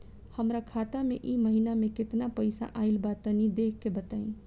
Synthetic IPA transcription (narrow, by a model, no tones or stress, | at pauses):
həmɾakʰaːt̪amḛ̃ʔiməɦinamẽkɪt̪napəɪsa̰ʔaːɪlbaːt̪ənĩd̪eːkʰːebət̪aːḭ̃